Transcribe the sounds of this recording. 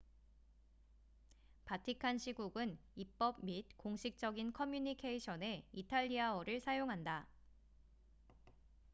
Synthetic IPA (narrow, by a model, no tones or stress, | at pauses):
patʰikʰanɕʰiɡuɡɯnip͈ʌb̚mit̚koŋɕʰik̚t͡ɕ͈ʌɡinkʰʌmjuɲikʰe̞iɕʰʌne̞itʰaʎːiaʌɾɯɭsʰajoŋɦanda